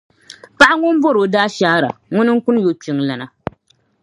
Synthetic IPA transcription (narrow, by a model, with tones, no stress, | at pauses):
pa˦ʔa˦ŋʊ˦m˦bo˦ɾo˨daː˦ʃa˦ɾa̰˨ŋʊ˦nɨ˦ŋ̩˦kʊ˦n˦jo˦t͡ʃi˦ŋla˨na˨